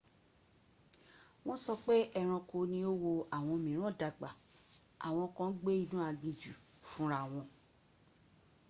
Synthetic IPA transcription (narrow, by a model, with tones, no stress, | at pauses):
w̃ɔ̃˦sɔ˧k͡pe˦ʔɛ˧ɾ̃ã˧ko˧nĩ˧o˦wo˧a˨w̃ɔ̃˧mĩ˨ɾ̃ã˦˨da˨ɡ͡ba˨ | a̰˨w̃ɔ̃˧ɔ˧kɔ̃˧˦n˦ɡ͡be˦i˧nũ˦a˧ɡ͡bĩ˧d͡ʒu˨fũ˦ɾa˦˨w̃ɔ̃˧